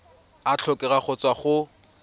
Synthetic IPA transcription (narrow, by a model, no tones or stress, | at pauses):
at͡ɬʰɔkʼɛraχɔt͡sʼwaχʊ